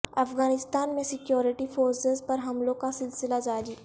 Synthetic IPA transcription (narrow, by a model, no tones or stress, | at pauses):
ɐfɣaːnɪst̪aːnmẽsɪkjɔːɾɪʈifoːɾsezpɐɾɦɐmlõkasɪlsɪlad͡ʒaːɾiː